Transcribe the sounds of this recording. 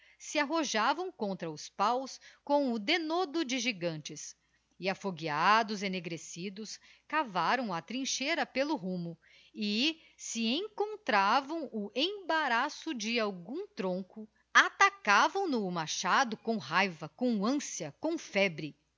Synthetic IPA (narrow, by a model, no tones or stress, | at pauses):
sɪaɦoʒavɐ̃w̃kõnt̪ɾɐʊspawskõw̃ʊd̪enod̪ʊd͡ʒɪʒiɡɐ̃nt͡ʃɪs | ɪafoɡiad̪ʊzeneɡɾesid̪ʊskavaɾɐ̃w̃ɐt̪ɾĩʃeɾɐpelʊɦũmʊ | ɪ | sɪẽŋkõnt̪ɾavɐ̃w̃ʊʔẽbaɾasʊd͡ʒɪawɡũt̪ɾõŋkʊ | at̪akavɐ̃w̃nʊmaʃad̪ʊkõɦajvɐkõw̃ɐ̃siɐkõw̃fɛbɾɪ